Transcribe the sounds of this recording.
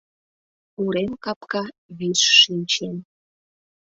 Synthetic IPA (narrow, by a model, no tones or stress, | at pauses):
uɾemkɑpkɑβisʃinʲt͡ɕen